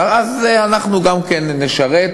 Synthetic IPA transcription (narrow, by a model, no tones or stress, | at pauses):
azeanaχnuɡamkenːeʃaʁet